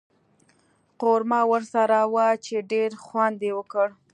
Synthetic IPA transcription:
qoɾmɑwəɾsaɾawat͡ʃeɖeɾxwand̪ewəkəɽ

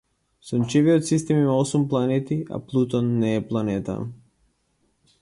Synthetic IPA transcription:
sunt͡ʃiviot̪sist̪ɛmimaɔsumplˠanɛt̪ia̰plˠut̪ɔnːɛːplˠanɛt̪a̰

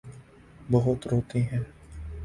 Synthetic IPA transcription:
bɔɦʊt̪ɾoːt̪iɦɛ̃ː

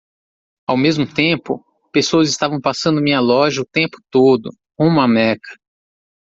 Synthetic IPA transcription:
awmezmʊt̪ẽpʊ̰ | pesoɐzɪst̪avɐ̃w̃pasɐ̃nd̪ʊmĩɲɐlɔʒɐʊt̪ẽmpʊ̥t̪od̪ʊ̰ | ũmɐmɛkɐ̥

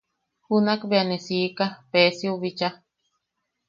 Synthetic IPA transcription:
hunakbeanesiːkapeːsiuβit͡ʃa

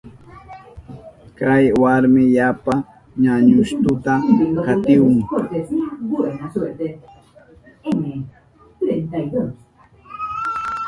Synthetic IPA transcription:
kajwaɾmɪʎapa | ɲaɲʊʃt̪ʊt̪akat̪ɪwʊŋot̪esbuenaset̪e | eme | t̪ɾent̪ajd̪os

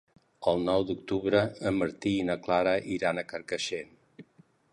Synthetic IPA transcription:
əlˠnɔwd̪uk̚t̪uβɾəəməɾt̪iːnəklaɾəʔiɾanəkəɾkəʃen

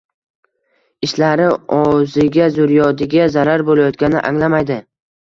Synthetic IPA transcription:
ɪʃlaɾɪɒzɪɡʲazʊɾjɒd̪ɪɡʲazaɾaɾbolajɒt̪̚ɡʲanɪʔa̰ŋlamajd̪ɪ

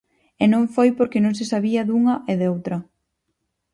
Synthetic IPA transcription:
enõŋfojpoɾkɪnõŋs̬ɪsaβiɐðuŋɐʔeðowt̪ɾɐ

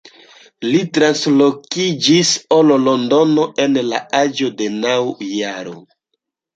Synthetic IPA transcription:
litɾanslokid͡ʒisololondo̞no̞ʔe̞nlaad͡ʒo̞de̞nawjaɾo̰

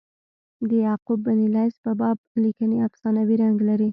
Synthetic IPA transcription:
d̪əjɑqubːanilajspəbɑb̚likəneafsɑnawiɾaŋɡlaɾi

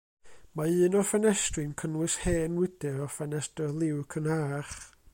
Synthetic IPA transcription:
maɨːnɔfɛnɛstrɨnkʰənwɨsheːnwɪd̥ɛɾɔfɛnɛstɛlˠɪwkʰənaːχ

